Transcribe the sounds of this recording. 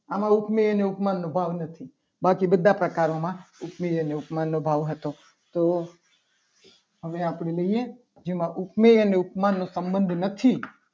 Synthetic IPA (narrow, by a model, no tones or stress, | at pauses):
amãʊkmeəneʊpmanːobʱaʋnət̪ʰi | bakibəd̪ʱapɾəkaɾomãʊpmeəneʊpmanːobʱaʋɦət̪o | t̪o | ɦəʋeapɽ̃eləɦije | d͡ʒemãʔʊpmeəneʊpmanːosəmbənd̪ʱnət̪ʰi